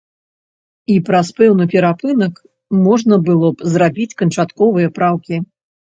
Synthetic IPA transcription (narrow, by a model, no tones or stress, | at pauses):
ipɾɐspɛwnɨpʲɛɾapɨnɐk | mɔʐnɐbɨlˠɔpzɾabʲit͡sʲkɐnt͡ʂat̪kɔvɨjɐpɾawkʲi